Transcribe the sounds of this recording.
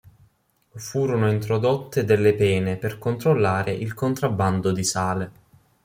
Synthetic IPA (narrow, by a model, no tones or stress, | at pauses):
fuːɾonoint̪ɾod̪ot̪ːed̪elːepɛːneperkont̪ɾolːaːɾeʔilkont̪ɾabːand̪od̪isaːle